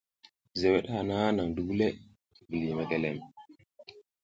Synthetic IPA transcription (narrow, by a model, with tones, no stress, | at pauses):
ze˨we˦ɗha˨na˦na˨ŋdu˨˦ɡu˦le˦˨ | bə˨li˨ma˦ke˦˨le˦˨m